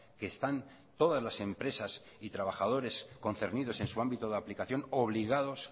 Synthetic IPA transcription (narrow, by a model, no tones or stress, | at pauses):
ke̞ːst̪an | t̪o̞ðazlase̞mpɾe̞sas | it̪ɾaβaxað̞o̞ɾe̞sko̞nθe̞ɾnið̞o̞se̞nsuambit̪oðaplikaθjo̞no̞β̞liɣ̞að̞o̞s